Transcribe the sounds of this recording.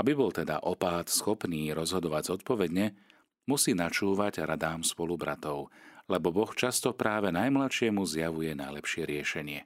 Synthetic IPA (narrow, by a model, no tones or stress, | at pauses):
ʔabibɔlt̪ɛd̪a̰ʔɔpaːt̪sxɔpniːɾɔzɦɔd̪ɔʋaɟzɔt̪̚pɔʋɛd̪ɲɛ | musiːnat͡ʃuːʋaɟɾad̪aːmspɔlubɾa̰t̪ɔʊlɛbɔbɔxt͡ʃast̪ɔpɾaːʋɛnajmlat̪ʃɪɛmuzjaʋujɛnajlɛpʃɪɛɾɪɛʃɛɲɪɛ